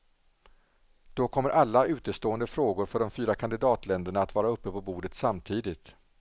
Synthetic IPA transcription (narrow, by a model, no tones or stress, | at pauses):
d̪̥ɔkʰɔmːəɾʔalːaʉ̟ːt̪əst̪oːənd̪əfɾoːɡʊɾfœɖɔmfyːɾakʰand̪ɪd̪ɑːt̪ʰlɛnd̪əɳaːt̪vɑːɾaɵpːəpɔbuːɖət̪samt̪ʰiːd̪ɪt̪